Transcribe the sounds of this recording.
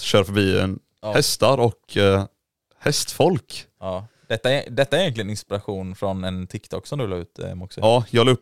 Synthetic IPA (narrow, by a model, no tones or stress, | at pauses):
ɕœːɾfœɾbiːə̰n | hɛst̪aɾɔkʰ | hɛst̪fɔlkː | d̪̥ɛt̪ːa̰d̪ɛt̪ːaɛɾjɛntlɪɡənɪnspɪɾaɧuːnfɾɔnɛnt̪ʰɪkt̪ʰɔkːsɔmd̪ɵvɪlaʉ̟ːt̪ɛ̰mɔksɛɑːjɑːɡlɵp